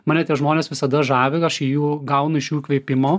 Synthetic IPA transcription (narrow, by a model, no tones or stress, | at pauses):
mɑːnʲɛt̪ʲiɛʒmoːnʲeːsʋʲɪsɐd̪ɐʒɑːʋʲeɐʃijuːɡɐʊnʊɪʃjuːkʋʲeːpʲɪmoː